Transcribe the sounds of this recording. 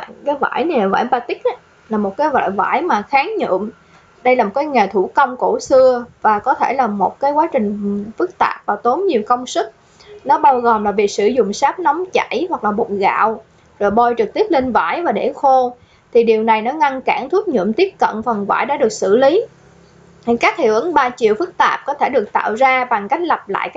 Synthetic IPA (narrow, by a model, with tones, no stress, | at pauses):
kaː˨˦jva̰ː˧˩jna˨˩jlaː˨˩va̰ː˧˩jɓaː˧t̪ï˦˥k̚ʔaː˨˦ | laː˨˩mo˨˩t̚kaː˨˦jva̰ː˧˩jva̰ː˧˩jmaː˨˩xaː˨˦ŋɲɨ̰˧˨əm | ɗə˧jlaː˨˩mo˨˩t̚kaː˨˦jŋe˨˩t̪ʰu˧˩kə˧wŋ͡mko˧˩sɨ˧əvaː˨˩kɔ˨˦t̪ʰe˧˩laː˨˩mo˨˩t̚kaː˨˦jkwaː˨˦t͡ɕï˨˩ŋ̟fɨ˦˥k̚t̪a̰ː˨˩p̚vaː˨˩t̪o˨˦nɲi˨˩əwkə˧wŋ͡msɨ˦˥k̚ | nɔ˨˦ɓaː˧wɣo˨˩mlaː˨˩vi˨˩sɨ̰˧˩zʊ̰˧˨ŋ͡msaː˦˥p̚nɔ˨˦wŋ͡mt͡ɕa˧˩˨jhwa˨˩k̚laː˨˩ɓo̰˧˨˩ɣa̰ː˧˨w | zo̰˨˩jɓo˧jt͡ɕɨ˨˩k̚t̪i˦˥əp̚le˧nva̰ː˧˥˩jvaː˨˩ɗḛ˧˩xo˧ | t̪ʰi˨˩ɗi˨˩əwna˨˩jnɔ˨˦ŋa˧nkaː˧˩ŋt̪ʰu˦˥əp̚ɲɨ̰˧˨əmt̪i˦˥əp̚kə̰˧˨nfə˨˩nva̰ː˧˩jɗaː˧˥ɗɨ˨˩ək̚sɨ̰˧˩li˨˦˨ | ka˦˥k̚hʰḭ˧˨˩wʔɨ˧˨˦ŋɓaː˧t͡ɕḭ˧˨əwfɨ˦˥k̚t̪aː˨˩p̚kɔ˨˦t̪ʰe˧˩ɗɨ˨˩ək̚t̪a̰ː˧˨wzaː˧ɓa˨˩ŋka˦˥jk̟̚lə˨˩p̚la̰ː˧˨j